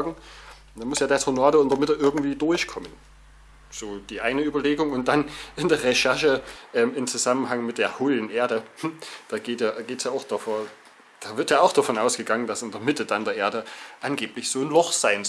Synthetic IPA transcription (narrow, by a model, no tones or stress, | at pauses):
aɡŋ̩ | d̥anmʊsjaːdaɐshonaːdəɪnd̥ɐmɪtəʔɪɐɡŋ̩tv̥iːdʊɐçkʰɔmən | z̥oːd̥iːʔaɪnəyːbɐleːɡʊŋʊnt̚d̥anɪndeːɐʁeʃɛɐʃəʔɛːmɪmt͡suzamənɦaŋmɪt̚d̥eːɐhoːlənʔeːɐdəd̥aːɡ̥eːtjaːɡeːtsjaːaʊxd̥afo | d̥aːvɪɐtjaːaʊxd̥afɔnʔaʊsɡ̥əɡaŋəndasɪndeɐmɪtəd̥andeːɐʔeːɐdəʔanɡeːplɪçz̥oːnlɔχz̥aɪn